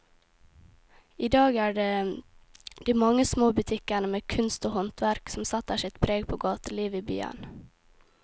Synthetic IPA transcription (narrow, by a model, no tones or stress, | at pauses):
iːd̪ɑːɡæːɖeː | d̪̥iːmɑŋːəsmoːbʉt̪ʰɪkənəmeːkʰʉnst̪oːhɔnt̪ʰʋæɾksɔm̩sɑt̪ːəʂɪt̪pʰɾeːɡpʰoːɡɑːt̪əliːʋiːby̰ːə̰n